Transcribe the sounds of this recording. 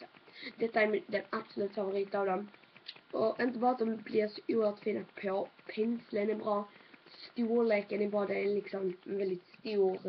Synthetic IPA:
d̪ɛt̪ːaæɾmd̪ɛnab̥sɔlʉːt̪favʊɾiːt̪ɑvd̪ɔm | ɔʔɪnt̪əbɑːɾat̪̚d̪ɔmblɪɾsɔ̥ʔuːøɾt̪fiːnapʰɔpʰɛnslənɛbɾɑːst̪uːleːkənɛbɑːɾad̪ɛælɪksɔmvɛld̪ɪt̪st̪uːɾ

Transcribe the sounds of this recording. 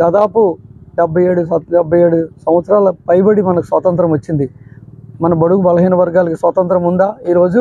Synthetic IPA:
d̪aːd̪aːpuɖɛbʱːɐjeːɽuɖɛbːɐje̞ːɽusɐ̃mʋɐt̪sɾaːlɐpɐjbɐɽimɐnɐku̥sʋɐt̪ɐnt̪ɾɐmʋɐt͡ʃːind̪imɐnɐbɐɽukubɐlɐɦiːnɐʋɐɾɡaːlɐkisʋɐt̪ɐnt̪ɾɐmund̪aːiːɾo̞ːd͡ʒu

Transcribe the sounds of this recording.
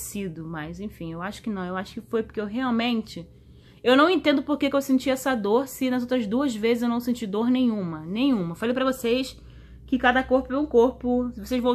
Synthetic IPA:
sid̪ʊmɐjzẽj̃fĩewaʃʊ̥kɪnɐ̃w̃ewaʃʊ̥kɪfojpoɾkeewɦeawmẽnt͡ʃɪ | ewnɐ̃w̃ẽnt̪ẽnd̪ʊpoɾkekɪewsẽt͡ʃiɛsɐd̪oɾsɪnɐzowt̪ɾɐzd̪uɐzvezɪzewnɐ̃w̃sẽnt͡ʃid̪oɾnẽj̃ɲ̃ũmɐnẽj̃ɲ̃ũmɐfalejpɾɐvosejs | kɪkad̪ɐkoɾpʊɛ̃ũkoɾpʊsɪvosejzvɐ̃w̃

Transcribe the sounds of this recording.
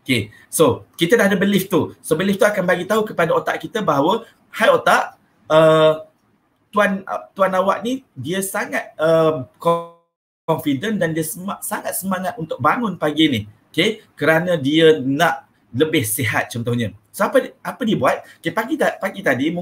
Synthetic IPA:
oke | sokit̪ədahdəbəlɪft̪usobəlɪft̪uakanbaɡit̪aɦukəpadaot̪aʔkit̪əbaɦawə | hajot̪aʔ | ə | t̪uant̪uanawa̰ʔnidiəsaŋat̪̚əmkɔ | ɔnfidəndandiəsəasaŋat̪̚səmaŋat̪unt̪ʊk̚baŋʊnpaɡinɪhokekəɾanə̃diənaʔ | ləbɪhseɦa̰t̪̚t͡ʃɔnt̪ɔhɲasoapəapədiəbuat̪̚okepaɡit̪apaɡit̪adim

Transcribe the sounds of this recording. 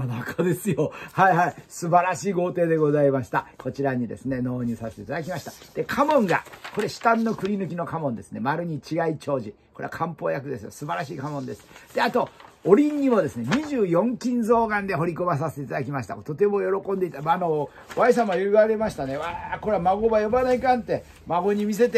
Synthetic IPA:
anakʰad̪e̞sɨjohaihaisɨbaɾaɕiːɡo̞ːt̪e̞ːd̪e̞ɡo̞zaimaɕi̥t̪ako̞t͡ɕiɾaɲ̟id̪e̞̰sɨne̞no̞ːɲ̟ɨsaset̪et̪ad̪ak̬ʲimaɕi̥t̪ḁd̪̥e̞kʰamõ̞ŋɡa̰ko̞ɾe̞ɕi̥t̪ãnːo̞kɯ̟ɾʲinɯ̟k̬ʲino̞kamõ̞nd̪e̞sɨne̞maɾɯ̟ɲ̟it͡ɕiɡait͡ɕo̞ːʑi | ko̞ɾe̞a̰kʰãmpo̞ːjakɯ̟d̪e̞sɨjo̰sɨbaɾaɕiːkamõ̞nd̪e̞sɨ̥d̪̥e̞at̪o̞oɾʲĩɲːimo̞d̪e̞sɨne̞ɲ̟iʑɨːjõ̞ŋkʲĩnzo̞ːɡãnd̪e̞ɦo̞ɾʲikobas̬ase̥t̪eit̪ad̪akʲimaɕi̥t̪a̰t̪o̞t̪e̞mo̞jo̞ɾo̞kõ̞nd̪eit̪amano | βais̬ãmajɯaɡe̞maɕi̥t̪ane̞βakoɾeamaɡo̞bajobanaikãnt̪e̞ | maɡo̞ɲ̟imʲis̬e̞t̪̬e

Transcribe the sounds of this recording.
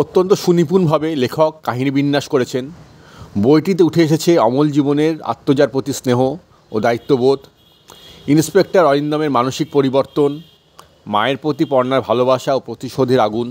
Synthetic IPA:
ot̪ːont̪oʃunipuɾnbʱabelekʰokːaɦinibinːaʃkoɾet͡ɕʰen | bojʈit̪̬euʈʰeeʃ̬et͡ɕʰeɔmold͡ʑiboneɾa̰t̪ːod͡ʑaɾpɾot̪isneɦo | od̪ait̪ːobot̪ | inspek̚ʈaɾɔɾind̪ameɾmanoʃik̚poɾiboɾt̪on | maeɾpɾot̪ipɔɾnaɾbʱalobaʃaopɾot̪iʃod̪ʱeɾaɡun

